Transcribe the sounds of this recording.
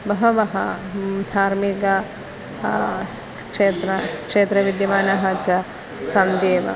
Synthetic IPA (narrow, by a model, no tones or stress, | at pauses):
bɐɦɐʋɐɦɐ̰d̪ʱaːɾmikɐ | kʂeːt̪ɾɐkʂeːt̪ɾɐʋid̪jɐmaːnɐɦɐt͡ʃɐ | sɐnd̪eːʋɐ̰